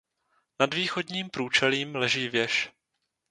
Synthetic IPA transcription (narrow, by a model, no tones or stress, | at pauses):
nadviːxo̞dɲiːmpɾuːt͡ʃɛliːmlɛʒiːvjɛʃ